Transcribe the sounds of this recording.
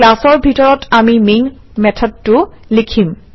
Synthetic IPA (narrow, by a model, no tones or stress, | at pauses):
lasɔɹbʱitɔɹɔtamimen | mɛtʰɔd̚tʊlikʰim